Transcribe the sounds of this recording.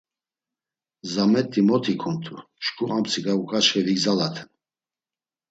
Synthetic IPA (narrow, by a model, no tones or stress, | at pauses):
zamɛt̪ʼːimɔt̪ʰikʰɔnt̪ʰu | ʃkʰʼuʔamsʰiɡaukʼaʃχɛliɡzalat̪ʰɛn